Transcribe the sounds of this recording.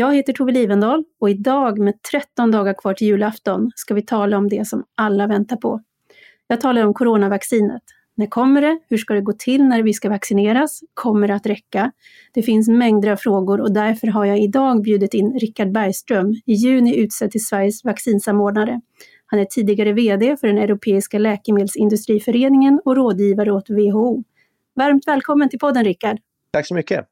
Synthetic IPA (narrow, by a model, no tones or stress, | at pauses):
jɑːɡheːt̪əʈʰuːvɪliːvənd̪ɑːlɔɪd̪ɑːɡmɛːd̪̚t̪ʰɾɛt̪ːɔnd̪ɑːɡaɾkʰv̥ɑːʈʰɪljʉ̟ːlaft̪ɔnskavɪt̪ʰɑːlaɔmd̪ɛsɔmʔalːavɛnt̪aɾpʰɔ̰ | jɑːɡ̚t̪ʰɑːlaɾɔmkʰʊɾoːnavaksiːnə̰t̪ | næɾkʰɔmːəɖɛhɵʂkad̪ɛɡoːt̪ʰɪlnæɾvɪskavaksɪneːɾaskʰɔmːəɖat̪ɾɛkːa | d̪̥ɛfɪns̬mɛŋd̪ɾafɾoːɡʊɾɔd̪æɾfœɾɦaɾjaːɪd̪ɑːɡbjʉ̟ːd̪ɪt̪ɪnːɾɪkːaɖ̚bæɾjst̪ɾœmɪjʉ̟ːnɪʉ̟ːt̪sɛt̪ʰːɪlsvæɾjəsvaksiːnsamoːɖɳaɾə | hanæʈʰiːd̪ɪɡaɾəveːd̪eːfœɖɛnɛɾʊpʰeːɪskalɛːkəmeːd̪lsɪnd̪ɵst̪ɾiːfœɾeːnɪŋənɔɾoːd̪jiːvaɾəɔt̪veːɦouː | vaɾmt̪vɛːlkʰɔmːənt̪ʰɪlpʰɔd̪ːənɾɪkːaɖ | t̪ʰaksɔmʏkːə̰